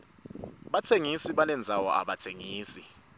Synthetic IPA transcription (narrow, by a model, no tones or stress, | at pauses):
ɓatʰeŋisiɓanɛnd͡zʱawɔ̰ʔa̰ɓatʰeŋiːsi